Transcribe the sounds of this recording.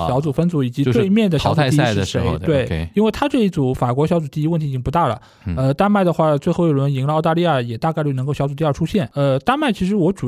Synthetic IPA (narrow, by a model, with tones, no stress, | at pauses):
ɕjɑ˧˥t͡su˨˩fə˥nt͡su˧˥i˨˩t͡ɕi˧˥t̪wɪmjɛ˥˩nd̪ə˩ɕjɑ˧˥ʊt͡su˥˧˥ʂə˥˩ʂe˧˥ɪ˧t̪we˥˧˩ɪi˥nwe˥˩ɪt̪ʰa˥ʈ͡ʂɤ˥˧i˧˥t͡su˨˧˩fa˨˩kwɔ˧˥ɕjɑ˧˥ʊt͡su˨˩t̪i˥˧i˧˥wt̪ʰt͡ɕi˥pu˧˥t̪a˥˩lə̰˩ | ə˧t̪a˥nma˥˩ɪd̪ə˩xwa˥˩t͡swe˥˧ɪxo˥˩ʊjo˨˩ə˧˥ni˧˥ŋlə˧ɑ˥˧t̪a˥˧li˥˧ja˥˩jɛ˨˩t̪a˥˧ka˥˧ɪt͡ɕjo˥˩n˧ŋko˥˩ɕjɑ˥t͡su˨˩t̪i˧ə˞˥˩ʈ͡ʂʰu˥ɕjɛ˥˩nə˧t̪a˥nma˥˩ɪt͡ɕʰi˧˥ʂ̬ɻ̩˧˥wɔ˧˥ʈ͡ʂu˨˩